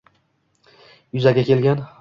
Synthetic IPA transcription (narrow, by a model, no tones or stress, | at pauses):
jʊzaɡʲakʲe̞lɡʲan